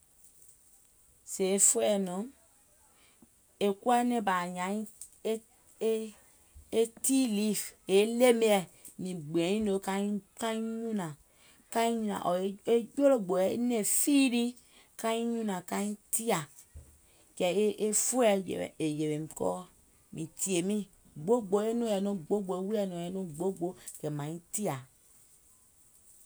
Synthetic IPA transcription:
se˨e˦fu˦ɛ˦˨nɔ̃˨˦ | e˨ku˦a˦nɛ̃˦ba˨ɲã˨˦ĩ˦ | e˦ti˦li˦˨fe˨˦le˦me˦ɛ˨ | nĩ˨ɡ͡bɛ̃˨˦ĩ˦lo˨˦ka˦ka˦ĩ˦ɲũ˦nã˨ | kã˦ĩ˦ɲũ˦nã̰˨ʔɔ˨e˦e˦d͡ʒo˦lo˨ɡ͡bo˨ɛ˨˦nẽ˦˨fi˦ɾi˦ | ka˦i˦ɲũ˦nã˨ka˦ĩ˦ti˦a˨ | kɛ˨e˦ʔe˦fu˦ɛ̰˨e˨je˨ɾe˨m˨kɔ̰˦ | mĩ˨ti˨e˨mĩ˦ | ɡ͡bo˦ɡ͡bo˨˦e˦nõ˦˨ɛ˨no˦ɡ͡bo˦ɡ͡bo˨e˨˦wu˦ɛ˦˨nõ˨ɛ˨nõ˦ɡ͡bo˦ɡ͡bo˨˦kɛ˨mã˨ɲĩ˦ti˦a˨

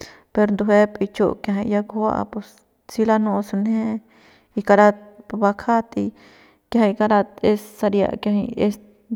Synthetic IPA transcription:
pe˧ɾnd̪u˧he˦pʼi˧t͡ʃo˧kja˧ɦa˧ja˧kwa̰˧pu˧s | t͡si˦la˦nõ˧su˧nhẽ˦ | i˧ka˧ɾa˧t̪pba˧kʰa˦t̪i˧ | kja˧ha˧ka˧ɾa˧t̪e˧ssa˧ɾja̰˧ʔkjã˧ɦi˧e˧s

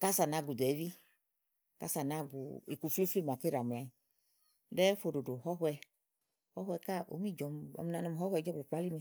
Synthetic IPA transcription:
ka˦sa˨na˨˧˨ɡu˨dɛ˨˦vi˦ | ka̰˦sa˨na˧˦ɡṵ˨ḭ˨ku˨fi˦fi˦˨ma˨ke˦ɾa˨m˨la˨ɲi˨ | dɛ˦fo˧˨do˨do˨ɦɔ˦ɦwɛ˧ | hɔ˦ɦwɛ˧ka˦˨o̰˨˦mi˦˨d͡ʒɔ˨mɔ̰˨m˧na˧nɔ˧˨hɔ˦hwɛ˧˨d͡ʒɔ˦bo˨k͡pa˦li˦me˧˨

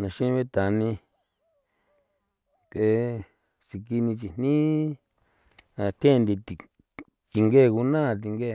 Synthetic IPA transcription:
nã˨ʃĩ˦βe˦t̪a˨nĩ˧ | t̪e˨˦ | si˨ki˧nĩ˧t͡ʃi˧˨n̥nĩ˦ | ã˧˨t̪ʰẽ˦˧nd̪i˧ti˨ | t̪i˨˧ŋɡe˦˨ku˧nã˦˨˧t̪̬i˧ŋɡe˦˨

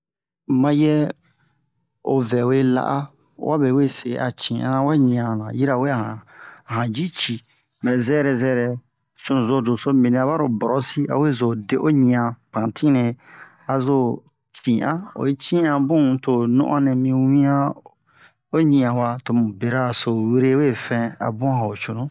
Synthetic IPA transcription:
mã˧jɛ˦ | o̰˨vɛ˨we˦la̰˦˨ʔa˦ | wʔa̰˦be˨we˦se˨a̰˨t͡ʃĩ˨ʔã̰˦nã˦wa˦ɲĩ˨ã˨nã˨ji˦ɾa˨we˦a˨hã˨ɦã˨d͡ʒi˦t͡ʃi˨ | mɛ̃˨zɛː˦ɾɛ˨zɛː˦ɾɛ˨ | so˦˨zo˨do˨so˦mĩ˨ĩ˨a˨˦ba˦ɾo˨bɔ˨ɾɔ˦si˦a̰˨we˦zo˨de˦ʔo˦ɲĩ˨ã˨pã˨tʰĩ˦nɛ̃˨ | a˨zo˦˨ | t͡ʃĩ˨ʔã˦o̰˨e˦t͡ʃĩ˦ã˨bũ˦to˨nṵ̃˦ʔã̰˦nɛ̃˨mĩ˧wĩ˦ã˦ | o˦ɲĩ˨ã˨wa˨to˨mũ˨be˨ɾa˦˨so˨we˦ɾe˦we˦fɛ̃˦a̰˨bũ˦ã˨o˨t͡ʃo˨nũ˦

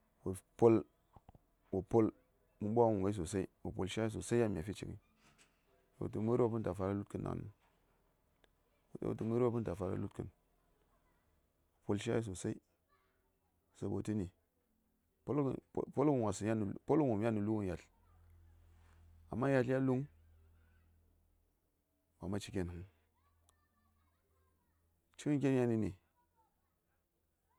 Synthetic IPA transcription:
wo˨po˦l | wo˨po˦l | mu˦ɓo˦a˦wu˨ŋɡa˦s̬o˨sa˦ḭ˦wo˨po̰˨lʃa˦i˦s̬o˨sa˦ja˦mʲ˨a˨fi˦t͡ʃḭ˨kḭ˦ | wo̰˨tu˨mu˦ɾo˦pɨ˦nta˨fa˨ɾa˦lu˦tki˦nːa̰˨n̰˦ | wo̰˨ttu˦mu˦ɾpɨ˦nta˨fa˨ɾa̰˦lu˦tkɨ̰˨n | wo˨po˦lʃa̰˦i˦s̬o˨sa˦i˦˨ | sa˨˦bo˨ti˦ni˨ | po˦l̰po˦lku˦˨wa˨su˨ja˦n˨po˦lmu˨mja˦nu˨lu˦wu˦nja˨ɬ | a̰˨mːa˦ja˨ɬa˦lu˦ŋ | wa̰˨ma˦t͡ʃi˨kʲe˦n˨u˦ŋ | t͡ʃi˦wu˦k̬ʲe˦nja˦ni˦nḭ˨

